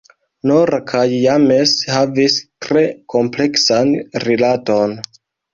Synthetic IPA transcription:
noɾakʰajːame̞shavistɾe̞kʰo̞mple̞ksanɾilato̞n

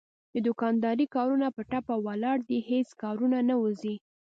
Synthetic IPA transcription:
d̪əd̪ʊkɑnd̪ɑɾikɑɾunapəʈapawalɑɽd̪iheskɑɾunanawuzi

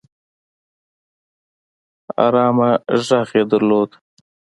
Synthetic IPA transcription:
a̰ɾɑːmaʒaːxed̪aɾloːd̪

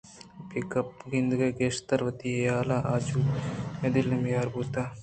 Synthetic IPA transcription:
pikɐp̚ɡind̪uɡɐɡeːʂt̪ɐɾʋɐt̪ijaːlaʔaːd͡ʒuɐd̪ilːɐmjaːɾbut̪a

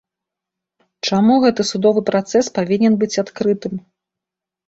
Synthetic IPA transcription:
t͡ʂamuɣɛt̪ɨsud̪ɔvɨpɾat̪sɛspavʲinʲɛnbɨt͡sʲat̪kɾɨt̪ɨm

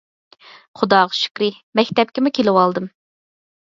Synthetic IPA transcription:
χʊd̪ɑːʁɑʃy̥kʲɾɪ | mɛkʲt̪ɛp̚kʲɪmukʲʰelɪwɑlˠd̪ɨm

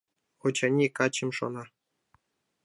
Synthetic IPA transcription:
xot͡ɕɑnʲːekɑt͡ɕɘ̆mʲʂo̰nɑ

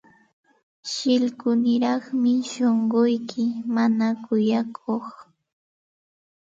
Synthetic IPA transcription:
ʃɪlkʊnɪɾɑχmɪʃoɴɢʊjkʰɪmanakʊjakʰoχ

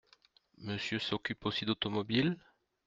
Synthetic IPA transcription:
məsjøsɔkʲyposid̪ot̪ɔmɔbil

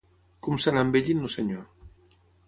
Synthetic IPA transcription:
kumsanambeʎinːoseɲo

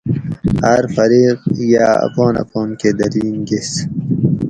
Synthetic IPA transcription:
aɾfɐɾiːqjaa̰pɔːnɐ̰pɔːnked̪ɐɾiːnɡis

